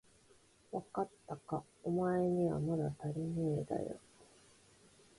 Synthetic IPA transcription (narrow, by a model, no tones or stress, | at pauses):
βakat̪ːaka | omaeɲ̟iβa̰mad̪at̪aɾʲimeed̪a̰jo̰